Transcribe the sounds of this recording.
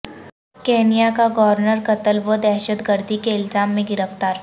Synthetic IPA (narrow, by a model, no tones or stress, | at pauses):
keːnijakaɡɔʋɾɾnəɾkɐt̪əlʋəd̪ɛːʃəd̪ɡəɾd̪ʱikeɪlzaːmːẽɡɪɾəft̪aːɾ